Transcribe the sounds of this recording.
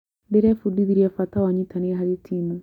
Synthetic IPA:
beɾefudiðiɾiafatawaɲitaniɦaɾitʰimu

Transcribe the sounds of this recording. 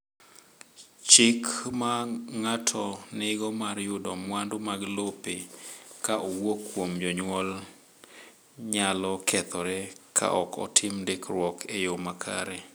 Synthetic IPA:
t͡ʃɪkmaŋatʰɔnɪɡɔmarjʊdɔmwandomaɡlopekaʔowokːwomd͡ʒɔɲwɔl | ɲalɔkʰɛt̪ɔɾɛkʰa̰ʔɔkɔ̰tʰɪmdɪkrwɔkʰejomakʰa̰ɾɛ

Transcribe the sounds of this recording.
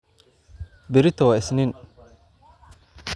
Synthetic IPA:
bɪɾɪt̪ɔwɐɪsnɪn

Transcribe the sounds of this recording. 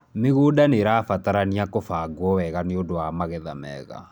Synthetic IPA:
meɣuːdaneɾafataɾaniakofaɡwɔwɛɣaneodowamaɣɛða̰mɛ̰ːɣa̰

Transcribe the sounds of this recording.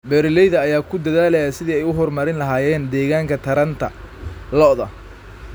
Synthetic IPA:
bɛːɾlɛjðɐːjaːkʰʊd̪ɐðaːlɛjɐsɪðiːɛjʊɦɔrmɐɾɪnlɐɦaːjɛːnd̪ɛːɣaːŋkʰɐt̪ʰɐɾɐnt̪ʰɐ | lɔðɐ

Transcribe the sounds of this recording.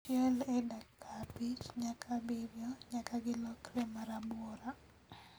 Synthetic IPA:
ɛlɛdakʰːabit͡ʃɲakʰabɪbjɔɲakaɡɪlɔkɾɛmaɾabɔɾa

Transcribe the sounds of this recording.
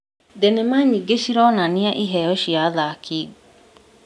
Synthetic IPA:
dɛnɛmaɲiɡeʃiɾɔnaniaʔiɦɛjɔʃiaðakʰi

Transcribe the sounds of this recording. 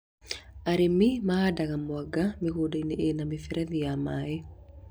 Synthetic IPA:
aɾemimaadaɣamwaɡamiɣodaineʔenamifɛɾʔɛðiamae

